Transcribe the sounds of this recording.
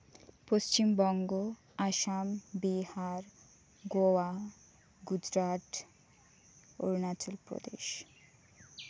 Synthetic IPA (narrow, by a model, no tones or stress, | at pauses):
post͡ɕimbɔŋɡo | aʃambiɦaɾ | ɡoa | ɡud͡ʑɾaʈ | o̰ɾnat͡ɕolpɾo̰d̪ḛʃ